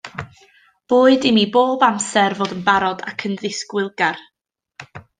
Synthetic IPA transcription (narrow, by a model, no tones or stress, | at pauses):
b̥oːɨdɪmiːboːbamsɛrvoːdənbaɾɔda̰kʰənðɪskwɪlˠɡar